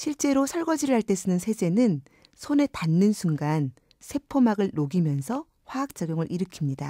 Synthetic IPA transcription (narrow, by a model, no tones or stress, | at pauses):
ɕʰiɭt͡ɕ͈e̞ɾosʰʌɭɡʌd͡ʑiɾɯɭɦaɭt͈e̞s͈ɯnɯnsʰe̞d͡ʑe̞nɯn | sʰone̞tanːɯnsʰuŋɡan | sʰe̞pʰomaɡɯɭːoɡimjʌnsʰʌ | ɸwaːk̚t͡ɕ͈aɡjoŋɯɾʔiɾɯkʰimɲida